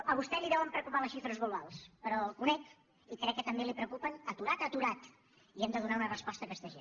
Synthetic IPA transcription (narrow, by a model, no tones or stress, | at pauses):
əβ̞ust̪ɛliðɛwəmpɾəkupaləsʃifɾəzɣuluβalˠspəɾɔlˠkunɛk | ikɾɛkːət̪əmbelipɾəkupənət̪uɾat̪ət̪uɾat̪ | iɛmd̪əðunaunərəspɔst̪əkɛst̪əʒen